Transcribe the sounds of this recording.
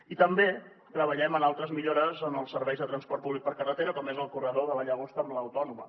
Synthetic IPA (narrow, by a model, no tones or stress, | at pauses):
it̪əmbe | t̪ɾəβ̞əʎɛmənalˠt̪ɾəzmiʎoɾəzənəlˠsːəɾβɛjzðət̪ɾənspɔɾt̪̚puβlik̚pəɾkərət̪eɾəkɔmezəlˠkurəðoðəlaʎəɣost̪əmləwt̪ɔnumə